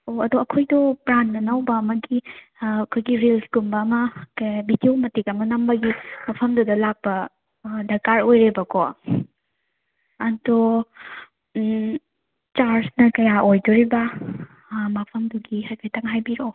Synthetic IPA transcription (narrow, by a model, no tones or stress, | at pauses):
oɐduɐkʰojdɔpɾannɐnɐwbɐɐmɐɡi | kʰojɡiɾilsɡumbɐːmɐkbitiwmɐtikɐmɐnɐmbɐɡimɐpʰɐmdudɐlak̚pɐ | dɐkaɾojɾebɐkɔ | ɐdo | t͡ʃaɾsnɐkɐjaʔojduɾibɐ | mɐpʰɐmduɡihɐkʰejtɐŋɦajbiɾo